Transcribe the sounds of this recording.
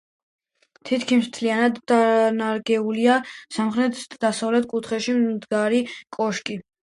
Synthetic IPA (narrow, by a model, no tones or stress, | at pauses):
t̪ʰit̪ʰkʰimɾt̪ʰlianad̪anaɾɡɛuliasamχɾɛt̪ʰd̪̥asavlɛt̪ʰkʼut̪ʰχɛʃimd̪ɡaɾikʼɔʃkʼi